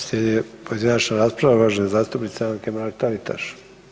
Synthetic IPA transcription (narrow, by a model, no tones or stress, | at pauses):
sʲed̪iepojed̪inat͡ʃnaɾaːspɾaʋaʋaːʒenezaːst̪upnit̪seaŋkemaɾak̚t̪alit̪ʰa̰ʃ